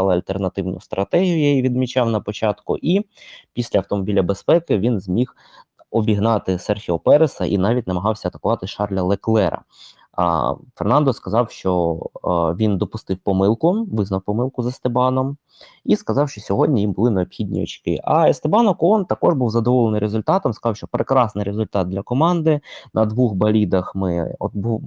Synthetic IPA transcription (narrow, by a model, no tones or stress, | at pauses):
ɑlˠɪɐlʲt̪ernɐt̪ɪwnʊ̰st̪ɾɐt̪ɛɦʲijʊjɛjiʋʲid̪mʲit͡ʃɑwnɐpɔt͡ʃɑt̪kʊ̰ʔipʲisʲlʲɐɐwt̪ɔmɔbʲilʲɐbespɛkɪʋʲinzʲmʲix | ɔbʲiɦnɑt̪ɪsɛrxʲiɔpɛɾesɐ̰ʔḭnɑʋʲitʲnɐmɐɦɑwsʲɐːt̪ɐ̥kʊʋɑt̪ɪʃɑrlʲɐlˠeklˠɛɾɐ̰ | fernɑnd̪ɔskɐzɑwʃt͡ʃɔ | ʋʲind̪ɔpʊst̪ɪwpɔmɪlˠkʊʋɪznɐwpɔmɪlˠkʊzɐst̪epɑnɔm | iskɐzɑwʃt͡ʃɔsʲɔɦɔdʲnʲijimbʊlˠɪneɔpxʲidʲnʲḭɔ̰t͡ʃkɪ̰ʔɐest̪ebɑnɔkɔnt̪ɐkɔʒbuwzɐd̪ɔʋɔlˠenɪjɾezʊlʲt̪ɑt̪ɔmskɐzɑwʃt͡ʃɔpɾʔekɾɑsnɪjɾezʊlʲt̪ɑt̪̚d̪lʲɐkɔmɑnd̪ɪnʔɐd̪ʋuxbɐlʲid̪ɐxmɪ̰ɔt̪bu